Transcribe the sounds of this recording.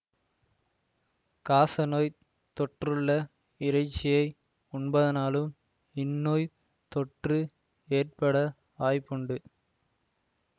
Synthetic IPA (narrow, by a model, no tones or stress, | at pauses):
kaːsɐnoːj | t̪ɔʈrɯɭːɐ | ɪɾɐɪt͡ʃːɪjɐɪ | ʊɳbɐðɐnaːlɯm | ɪnːoːj | t̪ɔʈrɯ | eːrpɐɽɐ | ʋaːjpːɔɳɖɯ